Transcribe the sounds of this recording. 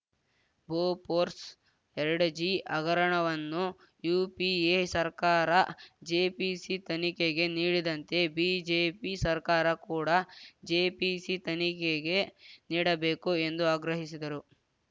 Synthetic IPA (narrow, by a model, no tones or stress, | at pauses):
boːpoːɾs | ɛɾɐɽɐd͡ʒiʔɐɡɐɾɐɳɐʋɐnːu | juːpiesɐɾkaːɾɐd͡ʒeːpisit̪ɐnikeɡe̞niːɽid̪ɐnt̪e̞bid͡ʒeːpisɐɾkaːɾɐkuːɽɐd͡ʒeːpisit̪ɐnikeɡe̞niːɽɐbe̞ːkue̞nd̪uaːɡɾɐɦisid̪ɐɾu